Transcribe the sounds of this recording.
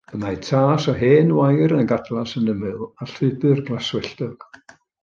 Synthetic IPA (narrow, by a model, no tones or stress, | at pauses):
əmajtʰaːsɔɦeːnwajɾənɡadlˠasənəmɨlˠaɬɨbɨrɡlˠaswɛɬdɔɡ̥